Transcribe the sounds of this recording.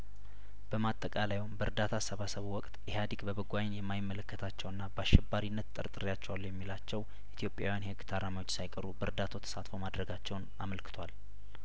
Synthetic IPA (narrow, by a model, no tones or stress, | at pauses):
b̥əmat̪ʼːəkʼalajwombəɾd̪at̪ʰasəβasəβuwɔkʼt̪ʼjɪhad̪iɡbəbɨɡʷajnjɛmːajɪmːələkːət̪ʰat͡ʃːɛwɨnːabəaʃɛbaɾinːət̪t̪ʼɨ̰ɾt̪ʼɨɾjat͡ʃːɛwalːujɛmːilat͡ʃːɛw | ʔit̪ʰjo̞pʼja̰wjanhɨɡt̪ʰaɾamawot͡ʃːsajkʼəɾubəɾd̪at̪ʰot̪ʰə̥sat̪fo̞mad̪ɾəɡat͡ʃːɛwnaməlkʰɨ̥t̪ʰwal